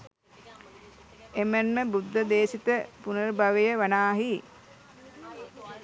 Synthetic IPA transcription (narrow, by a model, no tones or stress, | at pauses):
emənməbud̪ːəd̪eːsit̪əpunəɾbaʋejəʋanaːɦi